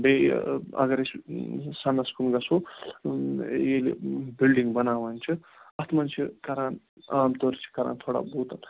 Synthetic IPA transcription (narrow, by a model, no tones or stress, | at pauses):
beɐ̰ɡɐɾessanːaskunɡɐso | jelḛbilɖiŋɡbɐnaːʋɐnt͡ʃʰu | ɐt̪ʰmɐnt͡ʃʰikaɾaːn | aːmt̪oɾt͡ʃʰi̥kaɾa̰ːnt̪ʰoːɽa̰bot̪an